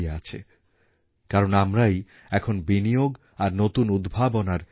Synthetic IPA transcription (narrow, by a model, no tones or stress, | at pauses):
eat͡ɕʰḛ | kaɾonamɾaj | ɛkʰonbinijoɡ | aɾnot̪unud̪bʱabonaɾ